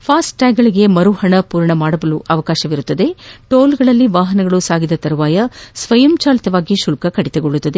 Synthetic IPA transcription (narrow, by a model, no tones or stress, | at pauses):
pʰaːsʈʈaːɡɐɭiɡe̞mɐɾuhɐɳɐpuːɾɐɳɐmaːɽɐbɐluʔɐʋɐkaːʃɐʋiɾut̪ːɐd̪e̞ʈoːlɡɐɭɐlːiʋaːɦɐnɐɡɐɭusaːɡid̪ɐt̪ɐɾuʋaːjɐsʋɐjɐmt͡ʃaːlɐt̪ɐʋaːɡiʃulkɐkɐɽit̪ɐɡoɭːut̪ːɐd̪e